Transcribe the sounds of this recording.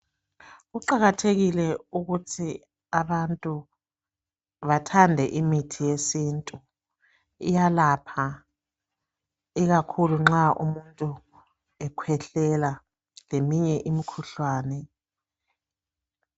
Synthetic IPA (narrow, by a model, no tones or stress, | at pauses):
ɣuǃaɣatʰeɣilɛuɣutʰi | aβantʼu | βatʰandʱɛʔimitʰijesintʼu | ḭjalapʰa | iɣakʰuluŋ͡ǁaʔṵmuntʼu | ɛkʰwɛɬɛla | lemiɲɛʔimikʰuɬwaːnɛ